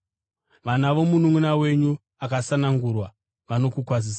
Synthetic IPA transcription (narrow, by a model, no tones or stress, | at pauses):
ʋanaʋo̞munumunawe̞ɲu | akasanaŋɡurwa | ʋano̞kukwas̬isa